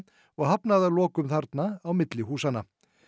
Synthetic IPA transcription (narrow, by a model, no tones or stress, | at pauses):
ɔɣɦapnaðalɔːkʏmθaɾt̪naːwmɪt̪lɪɦuːsanːa